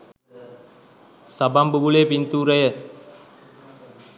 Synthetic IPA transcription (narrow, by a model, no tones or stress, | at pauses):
sabambubulepint̪uːɾəjə